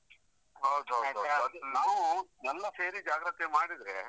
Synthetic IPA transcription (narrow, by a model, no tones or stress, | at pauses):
ɦɐwd̪ɦɐwdɦɐwd̪ɐd̪unaːʋunɛlːɐseːɾid͡ʒaːɡɾɐt̪emaːɽid̪ɾḛ